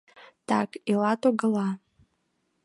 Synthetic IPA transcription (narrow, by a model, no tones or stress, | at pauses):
takilatʼoɡəlˠa